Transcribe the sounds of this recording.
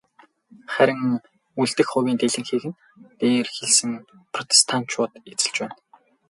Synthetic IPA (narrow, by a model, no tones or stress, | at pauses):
χæɾʲɪ̆ŋ | uɮt̪ɘ̆xχʊwʲiːnt̪eɮɘ̆ŋxeːɣɘ̆n | t̪eːrxeɮsɘ̆ŋ | pʰrɔt̪ʰe̥st̪ʰan̥t͡ɕʰʊːt̪et͡sɘ̆ɮt͡ɕpæːn